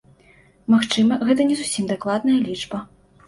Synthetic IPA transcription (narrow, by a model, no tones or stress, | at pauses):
maxt͡ʂɨmɐɣɛt̪̬ɐnʲɛzusʲimd̪aklˠad̪nɐjɐlʲit͡ʂbɐ